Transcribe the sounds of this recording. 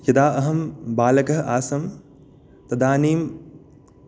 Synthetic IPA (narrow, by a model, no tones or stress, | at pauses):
jɐd̪aːʔɐɦɐmbaːlɐkɐɦɐʔaːsɐm | t̪ɐd̪aːniːm